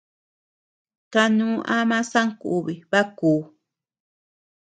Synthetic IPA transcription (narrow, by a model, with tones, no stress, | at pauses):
ka˧nũ˦ʔa˦mã˦sa˦ŋku˨βi˨βa˦kuː˨˦